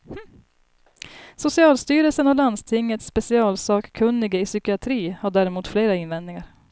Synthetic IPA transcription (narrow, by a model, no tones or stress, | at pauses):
h̩ | sʊsɪɑːlst̪yːɾəlsənɔland̪st̪ʰɪŋːət̪sːpɛsɪɑːlsɑːkkʰɵnːɪɡəɪsʏkɪat̪ʰɾiːhaɖæːɾɛmuːt̪fleːɾaɪnvɛnd̪nɪŋaɾ